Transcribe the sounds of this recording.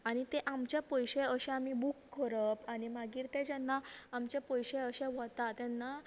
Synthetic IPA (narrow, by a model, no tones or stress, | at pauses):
aɽ̃it̪eʔamt͡ɕjapəjɕeəɕɛ̃amibukːəɾəpanimaɡiːɾt̪ɛ̃d͡ʑɛnːaamt͡ɕepəjɕeəɕeʋət̪at̪ɛ̃nːa